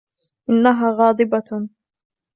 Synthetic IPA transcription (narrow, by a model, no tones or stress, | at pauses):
ʔɪnːaɦaːɣɑːd̪ˤɨba